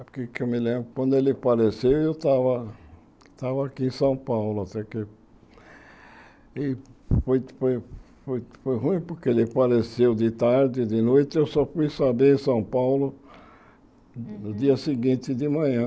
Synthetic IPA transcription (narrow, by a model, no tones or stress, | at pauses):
pʊɾkekewmɪlẽmbɾʊkwɐ̃nd̪ʊelɪpaɾesewewt̪avɐ | t̪avɐakiẽsɐ̃w̃pawlʊat̪ɛke | ɪfojfoj | fojfojɦũĩpoɾkeelɪpaɾesewd̪ɪt̪aɾd̪ɪd̪ɪnojt̪ɪewsɔfujsabeɾẽsɐ̃w̃pawlʊ | nʊd̪iɐsɪɡĩnt̪ɪd̪ɪmɐ̃ɲɐ̃